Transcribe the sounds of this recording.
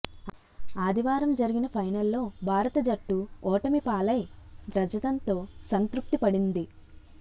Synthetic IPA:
aːd̪ʱiʋaːɾɐmd͡ʒɐɾiɡinɐpʰɐjnɐlːo̞ːbʱaːɾɐt̪ɐd͡ʒɐʈːuɔːʈɐmipaːlɐjd̪ɾɐd͡ʒɐt̪ɐnt̪o̞ːsɐnt̪ɾup̚t̪ipɐɽind̪i

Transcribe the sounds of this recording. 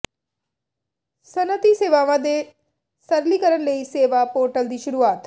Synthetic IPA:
sənət̪iːseːʋaːʋãːd̪eː | səɾliːkəɾənləiːseːʋaːpoːɾʈəld̪iːʃʊɾuːaːt̪

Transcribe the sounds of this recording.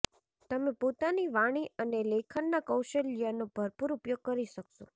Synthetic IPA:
t̪əmepot̪aniʋaɽ̃iənelekʰəɳnakəwʃəlijanob̥ʱəɾpuɾupjoɡ̚kəɾiʃəkʃo

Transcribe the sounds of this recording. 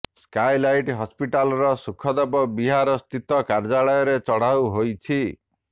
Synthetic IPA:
skajlajʈɦɔspiʈalɔɾɔsukʰɔd̪ɔbɔbiɦaɾɔst̪it̪ɔkaɾd͡ʒaɭɔjɔɾet͡ʃɔɽ̤awɦojt͡ʃʰi

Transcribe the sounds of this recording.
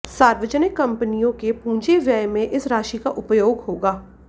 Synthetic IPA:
saːɾʋəd͡ʒənɪkːɐ̃mpənijõkepũːd͡ʒeʋjajmẽʔɪsɾaːʃikaʔʊpjoːɡɦoːɡaː

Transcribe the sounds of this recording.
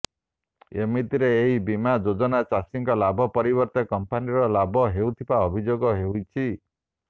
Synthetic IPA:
emit̪iɾeːɦibimad͡ʒod͡ʒɔnat͡ʃasiŋkɔlabʱɔpɔɾibɔɾt̪ɔkɔmpaniɾɔlabʱɔɦewt̪ʰibaɔbʱid͡ʒoɡɔɦeujt͡ʃʰi

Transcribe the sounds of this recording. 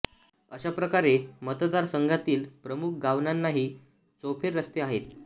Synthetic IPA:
əɕapɾəkaɾemət̪d̪aɾsəŋɡʱat̪iːlpɾəmuk̚ʰɡaʋnanːaɦiː | t͡sopʰeɾːəst̪eaɦet̪

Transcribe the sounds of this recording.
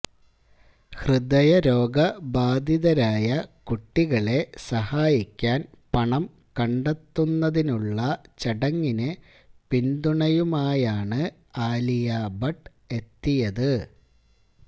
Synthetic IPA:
hrɨd̪ɐjɐɾo̞ːɡɐbaːd̪ʱiðɐɾaːjɐkuʈːiɣɐɭe̞sɐhaːjikʲːaːn | pɐɳɐm | kɐɳɖɐt̪ːunːɐðinuɭːɐt͡ɕɐɽɐŋːinɨ | pind̪uɳɐjumaːjaːɳɨ | aːlijaːbɐʈː | e̞t̪ːijɐðɨ

